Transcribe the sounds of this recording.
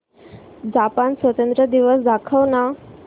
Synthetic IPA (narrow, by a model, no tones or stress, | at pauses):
d͡ʑapansʋət̪ənt̪ɾəd̪iʋəsd̪akʰəʋna